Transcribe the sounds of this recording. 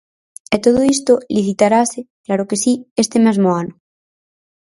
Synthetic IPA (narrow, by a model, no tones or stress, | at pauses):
et̪oðoist̪oliθit̪aɾaseklaɾokesiest̪emezmoano